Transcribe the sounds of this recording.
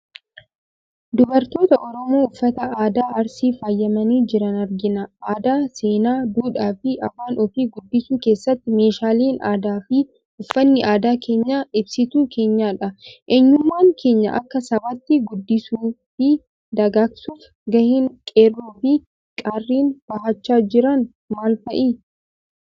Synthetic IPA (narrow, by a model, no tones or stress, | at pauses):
d̪ʊbɐɾt̪o̞ːt̪ɐʔɔɾɔmo̞ːʊfːɐt̪ɐaːd̪aːʔɐɾsiːfaːjːɐmɐniːd͡ʒɪɾɐnɐɾɡɪnɐʔaːd̪aːseːnaːd̪uːᶑaːfɪʔɐbaːnʔɔfiːɡʊd̪ːɪsuːke̞ːsːɐt̪ːɪme̞ːʃaːliːnaːd̪aːfɪ | ʊfːɐnːɪʔaːd̪aːkʰe̞ːɲːaːʔɪbsɪt̪uːkʰe̞ːɲːaːᶑɐʔeɲːʊmːaːŋkʰe̞ːɲːɐ̰ʔɐ̰kːɐsɐbɐt̪ːɪɡʊd̪ːɪsuːfɪ | d̪ɐɡaːksuːf | ɡɐhiːŋkʼeːrːoːfɪ | kʼarːiːnb̥ɐɦɐt͡ʃːaːd͡ʒɪɾɐn | maːlfɐʔiː